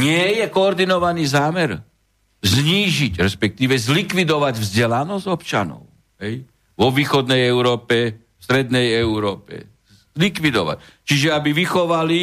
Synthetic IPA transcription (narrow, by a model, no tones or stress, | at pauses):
ɲɪɛjɛkɔːɾd̪inɔʋaniːzaːmɛɾ | zɲiːʒiɟɾɛspɛk̚t̪iːʋɛzlikʋid̪ɔʋaɟvzɟɛlanɔzɔpt͡ʃa̰nɔ̰ʊ | ɦɛj | ʋɔʋiːxɔd̪nɛjɛʊɾɔːpɛ | fst̪ɾɛd̪nɛjɛʊɾɔːpɛ̰ | zlikʋid̪ɔ̰ʋa̰ct͡ʃiʒɛabiʋixɔʋali